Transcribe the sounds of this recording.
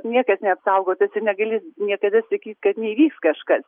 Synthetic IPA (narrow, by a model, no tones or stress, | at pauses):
nʲiɛkɐsnʲɛɐpsɐʊɡoːt̪ɐsɪnʲɛɡɐlʲiːsnʲiɛkɐd̪ɐsɐkʲiːt̪ʲkɐt̪nʲɛiːʋʲiːkskɐʃkɐs